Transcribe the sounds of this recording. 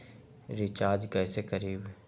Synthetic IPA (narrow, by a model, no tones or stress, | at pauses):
ɾɪt͡ʃaːɾd͡ʒkɛːsekəɾiːb